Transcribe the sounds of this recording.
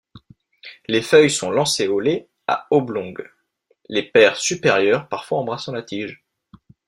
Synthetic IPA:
lefœjsɔ̃lɑ̃seole | a̰oblɔ̃ɡ | lepɛʁsypeʁjœʁpaʁfwaɑ̃bʁasɑ̃lat̪ʰiʒ

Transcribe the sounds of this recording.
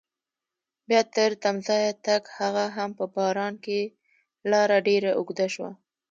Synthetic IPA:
bjɑt̪əɾt̪amzɑjat̪aɡhaɣaɦampəbɑɾɑnke | lɑɾaɖeɾaʔʊɡd̪aʃwa̰

